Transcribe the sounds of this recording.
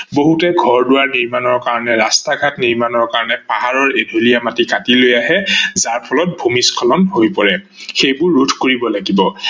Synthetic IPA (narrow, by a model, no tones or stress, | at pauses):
boɦutɛɡʱɔɹdʊwaɹniɹmanɔɹkaɹɔnɛɹastaɡʱatniɹmanɔɹkaɹɔnɛpaɦaɹɔɹedʱolijamatikatilojaɦɛzaɹpʰɔlɔt̚bʱumiskʰɔlɔnɦojpɔɹɛ | xejbʊɹːudʱkoɹibɔlaɡibɔ